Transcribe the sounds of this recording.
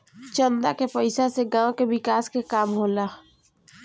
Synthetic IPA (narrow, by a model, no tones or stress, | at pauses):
t͡ʃənd̪akepɐɪsaseɡãːkebɪkaːskekaːmɦoːlaː